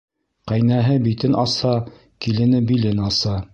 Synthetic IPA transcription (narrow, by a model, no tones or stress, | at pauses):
qæjnæɦɘbit̪ɘnʔɑsɑ | kilɘ̆nɘbilɘnɑsɑ